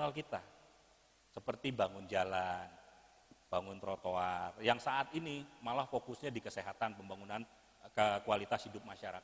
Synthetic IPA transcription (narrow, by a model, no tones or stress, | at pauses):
nalkit̪a | səpərt̪ibaŋʊnd͡ʒalan | b̥aŋʊnt̪ɾot̪oarjaŋsaʔːt̪inimalahfokʊsɲadikəseɦat̪anpəmbaŋunan | kəkualit̪ashidʊp̚maʃaɾakat̪